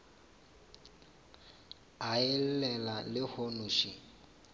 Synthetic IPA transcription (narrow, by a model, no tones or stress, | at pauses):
aɛl̩lɛlalɪhonuʃi